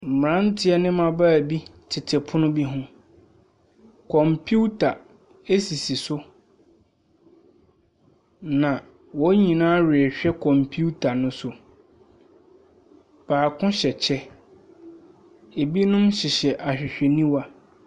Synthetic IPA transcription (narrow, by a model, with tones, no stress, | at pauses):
m̩˨m˨ɾã˦ntʰɪ˦ɛ˦nɪ̃˦mã˨ba˦˨bi˦tʰɪ˨tʰɪ˨pʰʊ˦nʊ̃˦bi˦ɦʊ̃˦ | kʰɔ̃˨mpʰu˦tʰa˨ | e˦si˨si˨sʊ˦ | nã˨ | wɔ˦ɲĩ˨nãː˦ɾɪ˨ɛ˨ɕᶣɛ˦kʰɔ̃˨mpʰu˦tʰa˨nʊ̃˦sʊ˨ | b̥aː˨kʰʊ̃˦ɕɛ˨t͡ɕʰɛ˦ | e˨bi˦nʊ̃˦mɕɪ˨ɕɛ˨ʔa˨ɕᶣɪ˨ɕᶣɛ˨nĩ˦wa˦